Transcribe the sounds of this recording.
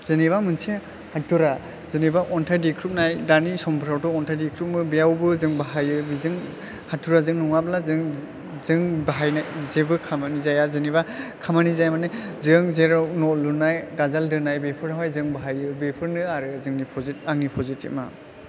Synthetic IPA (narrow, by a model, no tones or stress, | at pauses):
zɯniβamɯnse | hatʰːuɾa | zɯnibaʔɔntʰajdikʰɾup̚najdanisɔmbɾawtɔɔntʰajdikʰɾup̚mɯbijawbɯzɯŋbaɦajɯbizɯŋ | hatʰːuɾazɯŋnuŋablazɯŋ | zɯŋbaɦajnajzebɯkʰamanizajazɯnibakʰamanizajmanezɯŋzeɾanɔlunajɡazaldɯnajbepʰɯɾaɦɔjzɯŋbaɦajɯbepʰɯɾnɯaɾɯzɯŋnipʰɔzit̚aŋnipʰɔzitʰḭp̚ma̰